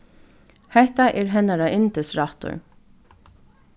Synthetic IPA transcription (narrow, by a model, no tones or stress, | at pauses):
hɛht̪aʔɛːɹɦɛnaɾaʔɪnt̪əsɹɑht̪ʊ̰ɹ